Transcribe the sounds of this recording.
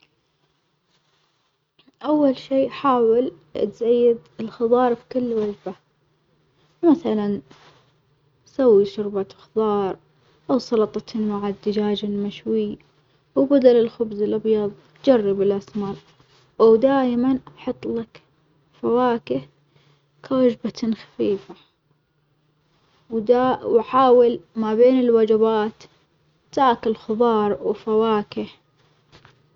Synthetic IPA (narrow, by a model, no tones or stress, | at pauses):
ʔawːalʃiːʔħaːwɪl | ʔa̰t̪zajːɪd̪ɪlxɑðˤɑːɾˤfi̥kʊlːwad͡ʒba | maθalan | sawːiʃʊɾbaxðˤɑːɾˤ | ʔawsˤɑlɑt̪ˤt̪maʕad̪ɪd͡ʒaːd͡ʒɪlmaʃwiː | wbad̪alɪlxʊbzɪlʔɑbjɑðˤtd͡ʒarˤːɪbɪlʔasmɑɾˤ | ʔawd̪aːjmanʔɑħɑt̪ˤːlak | fawaːkɪh | kʰawad͡ʒbat̪nxḁfiːfa | wd̪awaħaːwɪlmabeːnɪlwad͡ʒabaːt̪ | t̪ːaːkɪlxʊðˤɑːɾˤwfawaːkɪh